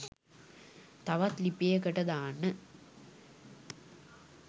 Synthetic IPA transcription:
t̪ɐʋɐt̪lipːejekəʈɐd̪aːnːə

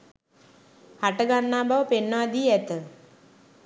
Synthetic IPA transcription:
haʈəɡanːaːbaʋəpenːəʋad̪iːæt̪ə

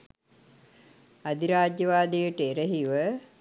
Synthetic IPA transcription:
ad̪iɾaːɟjəʋaːd̪ijəʈəeɾəɦiʋə

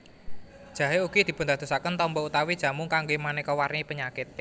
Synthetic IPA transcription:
d̥ʒ̥ä̤ɦeuɡ̥id̪̥i̤pʊnd̪a̤t̪usakənt̪ɔmbɔut̪awid̥ʒ̥ä̤mʊŋkaŋɡemanekɔwarnipəɲakɪt̪̚

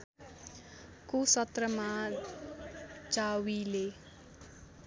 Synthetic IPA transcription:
kusʌt̪rʌma | t͡ʃawile

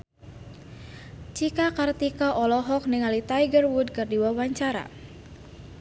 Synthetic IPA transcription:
t͡ʃikakart̪ikaʔɔlɔɦɔk̚niŋalit̪ajɡərwud̚kɨrdiwawaɲt͡ʃaɾa̰

